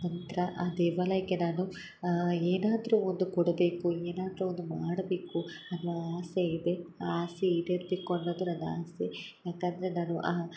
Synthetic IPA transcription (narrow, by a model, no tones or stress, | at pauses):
nɐnt̪ɾɐʔad̪ɛːʋɐlɐjɐɡe̞naːnu | eːnaːd̪ɾuond̪ukɔɽɐbeːkueːnaːd̪ɾuond̪umaːɽɐbe̞ːkuɐnːʋɐaːseid̪e̞aːseiɽeɾbeːkuɐnːoːd̪unɐnːaːsejaːkɐnd̪ɐɾe̞naːnuʔaː